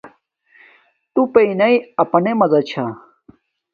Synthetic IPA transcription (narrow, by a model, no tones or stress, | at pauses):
t̪upeinɐiɐpɐnemɐzɐt͡ɕʰa